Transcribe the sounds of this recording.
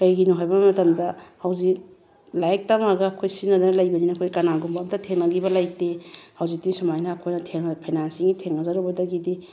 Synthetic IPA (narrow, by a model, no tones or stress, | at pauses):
kɐjɡinuɦajbɐmɐtɐmdɐhɐwzik̚ | lajek̚tɐmaɡɐːkʰojsinːɐdɐnɐlɐjbɐninɐkʰojkɐnaɡumbamtɐtʰeŋnɐɡibɐlajk̚tehawzik̚tisumajnaːkʰojnɐtʰeŋpʰajnansiŋɡitʰeŋɐzaɾubɐdɐɡidi